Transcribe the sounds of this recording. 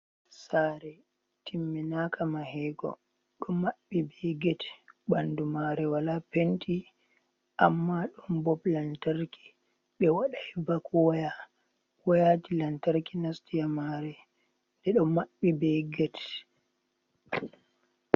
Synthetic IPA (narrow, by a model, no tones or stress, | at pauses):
saːɾɛ | tʰimːinakamahɛɡɔ̰ | ɗɔmaɓːibɛɡɛtɓandumaɾɛwalapenti | ʔamːaɗɔnbɔblantaɾki̥ | ɓɛwaɗajbakwaja | wajatilantaɾkinastijamaɾɛ | dɛɗɔmːaɓːibɛɡɛt